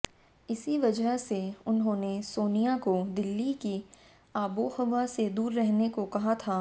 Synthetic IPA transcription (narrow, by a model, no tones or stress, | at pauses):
ɪsiʋɐd͡ʒəɦseʊnɦõːnesoːnijakod̪ɪlːiki | aːbohɐʋased̪uːɾːɛɦnekokɐɦat̪ʰaː